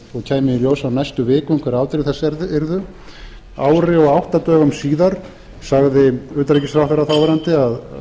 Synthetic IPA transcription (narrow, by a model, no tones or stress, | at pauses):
ɔɣcʰaːjmɪɪljoːwsawnajst̪ʏvɪːkʏɪŋkʰvɛɾaːwt̪ɪɾɪθɛsːɛɾðɛɾðʏ | aːwɾɪɔɣawht̪at̪œːɣamsiːðaɾ̥ | saɣðɪʏːt̪aɾejcɪsθɾawhθeɾaθawvɛɾant̪ɪað